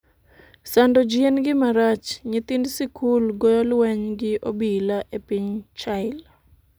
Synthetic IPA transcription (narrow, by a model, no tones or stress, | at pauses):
sandɔd͡ʒienɡɪmaɾat͡ʃɲɪt̪indsɪkʰulɡɔjɔlwɛɲɡɪʔobilaʔepiɲt͡ʃaɪl